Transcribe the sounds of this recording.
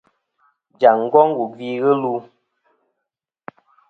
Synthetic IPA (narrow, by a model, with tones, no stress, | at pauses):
d͡ʒa˨ŋ̩˦ɡɔ˦ŋ̩˦ɡu˨vi˦ɣə˦lu˦